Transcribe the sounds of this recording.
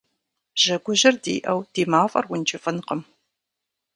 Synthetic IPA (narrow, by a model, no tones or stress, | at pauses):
ʒ̥ɐɡʷʊʑɪrdḭːʔɐwd̥iːmaːfʼɐ̰rwʊnt͡ʃʰɪfʼɨnqəm